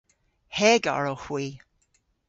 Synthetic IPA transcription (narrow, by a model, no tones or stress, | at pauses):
hɛɡa̰ɹəhwiː